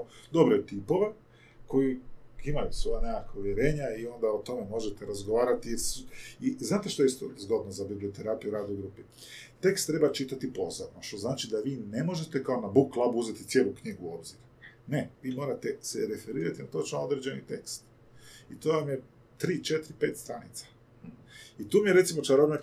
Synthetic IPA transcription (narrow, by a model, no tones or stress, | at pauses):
od̪o̞bɾet̪ipo̞ʋe̞ | ko̞jiimajusʋo̞janekakauʋje̞ɾe̞ːɲaio̞nd̪aot̪o̞me̞mo̞ʒet̪eɾazɡoʋaːɾat̪ijeɾsuiznaːt̪e̞ʃt̪oeist̪o̰zɡo̞d̪nozabibliot̪e̞ɾapijuɾaːd̪oɡɾupi | t̪e̞kst̪ːɾe̞bat͡ʃit̪at̪ipo̞zoɾnoʃt̪oznaːt͡ʃid̪aʋiːne̞mo̞ʒe̞t̪e̞kaonabukːlˠabuuze̞t̪it̪sjeːlukɲiɡuo̞bziɾ | ne̞ʋiːmo̞ːɾat̪e̞seɾe̞fe̞ɾiːɾat̪inat̪o̞t͡ʃnood̪ɾed͡ʑe̞nit̪e̞kst̪ | it̪oːʋamije | t̪ɾiːt͡ʃe̞t̪ɾipeːt̪st̪ɾanit̪sḁ | it̪uːmijeɾe̞t̪simo̞t͡ʃaɾobne